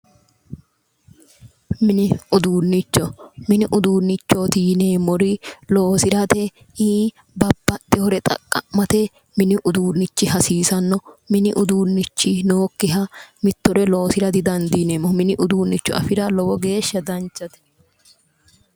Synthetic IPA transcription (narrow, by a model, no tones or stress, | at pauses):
mɪnɪʊd̪uːnːɪt͡ʃːɔmɪnɪʔʊd̪uːnːɪt͡ʃːɔt̪iːneːmːɔɾɪloːsɪɾɐt̪ɛ | iː | bɐbːɐt̪ːɛhɔɾɛt̪ʼɐ̰kʼːɐ̰mːɐt̪ɛ | mɪnɪʔʊd̪uːnːɪt͡ʃːɪɦɐsiːsɐnːɔmɪnɪʔʊd̪uːnːɪt͡ʃːɪnoːkːɪɦɐmɪt̪ːɔɾɛlo̞ːsɪɾɐd̪ɪd̪ɐnd̪iːneːmɔmɪnɪʔʊd̪uːnːɪt͡ʃːɔ̰ɐ̰fɪɾɐlɔwɔɡe̞ːʃːɐd̪ɐnt͡ʃːɐt̪ɛ̥